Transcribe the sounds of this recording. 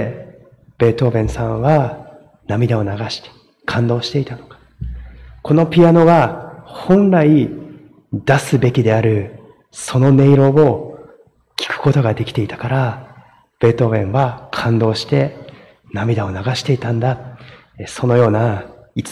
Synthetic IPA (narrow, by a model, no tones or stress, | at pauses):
b̥e̞ːt̪oːbẽ̞ɰ̃sãβa | namʲid̪ao̞naɡaɕi̥t̪e̥ | kʰãnd̪o̞ːɕi̥t̪e̞it̪ano̞kḁ | ko̞no̞pʲiano̞ɡahõ̞nɾai | d̪asɨbe̞kʲid̪e̞aɾɯ̟ | so̞no̞ne̞iɾo̞ːo | kʲi̥kɯ̟̥ko̞t̪o̞ɡad̪e̞kʲi̥t̪e̞it̪ḁkaɾa | b̥e̞ːt̪o̞ːbẽ̞ɰ̃βakʰãnd̪o̞ːɕi̥t̪e̞ | namʲid̪ao̞naɡaɕi̥t̪e̞it̪ãnd̪a | so̞no̞jo̞ːnait͡s